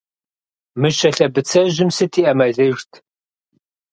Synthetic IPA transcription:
mɨʃɐɬɐbɨt͡sʰɐʑɪmsɨtʰiːʔɐmɐɮɨʒtʰ

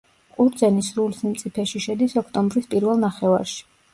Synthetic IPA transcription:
qʼuɾd̪zɛnisɾulisnimt̪sʼipʰɛʃiʃɛd̪isɔkʰt̪ʼɔmbɾispʼiɾvɛlˠnaχɛva̰ɾʃi̥

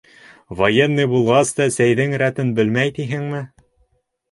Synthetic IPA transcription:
vojenːɤjbulˠʁɑst̪ɑsæjðɘŋɾæt̪ɘnbɘ̆lmæjt̪iɦɘŋmɘ

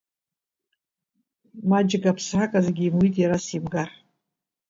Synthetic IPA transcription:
mad͡ʒɪɡapʰsħakʼazeɡʲiːmwitʼjaɾasimɡar

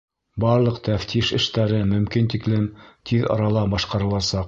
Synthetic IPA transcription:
bɑɾlˠɤqt̪æft̪ʰiʃɘ̆ʃt̪æɾɘmɵ̆mkint̪iklɘmt̪ʰiðɑ̰ɾɑlˠɑbɑʃqɑɾɤ̆lˠɑsɑq

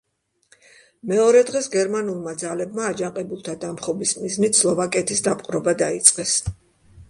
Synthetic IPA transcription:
mɛɔɾɛd̪ʁɛsɡɛɾmanulˠmad̪zalɛbmaːd͡ʒaŋqʼɛbulˠt̪ʰad̪amχɔbismiznit̪slˠɔvakʼɛt̪ʰisd̪apʼqʼɾɔbad̪ait̪sʼqʼɛs

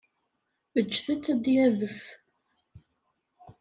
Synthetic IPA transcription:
ət͡ʃːθæt͡sːæd̪jæðəf

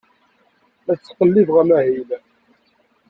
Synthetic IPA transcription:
æt͡sːqəlːivʁæmæhil

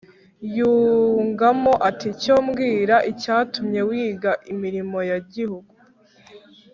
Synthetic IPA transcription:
juːŋɡamo̞ʔaticoːmɡiːɾaʔicaːtumɲe̞wiːɡaʔimiɾimo̞jaɟihuɡu

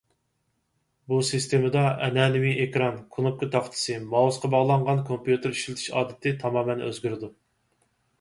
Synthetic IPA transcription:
busɨst̪ʰemɨd̪ɑʔɛ̰nɛːnɪwiʔekɾɑnkʰunup̚kʊt̪ʰɑχt̪ʰɨ̥sɨmɑusqʰɑbɑʁlˠɑɴʁɑnkʰompjut̪ɪɾiʃlɪt̪ʰy̥ʃɑ̰ːd̪ɪt̪ʰɪt̪ʰɑmɑːmɛnø̰zɡʲyɾɪd̪u

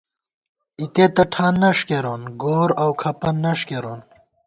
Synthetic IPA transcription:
it̪et̪ɐʈʰaːnːɐʂkeɾoːnɡoːɾawkʰɐpɐnːɐʂkeɾoːn

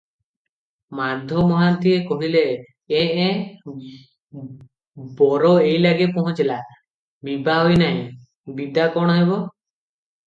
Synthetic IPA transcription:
maɾd̪ʱjɔmɔɦant̪iekɔɦile | ɛʔɛ | bɔɾɔejlaɡɛpɔɦɔ̃t͡ʃɛla | mibaɦɔjna | bid̪akɔɽ̃ɔɦɛbɔ

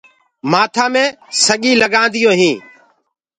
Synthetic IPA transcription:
maːt̪ʰaːmẽːsəɠĩːləɠãːnd̪ɪjõːɦĩː

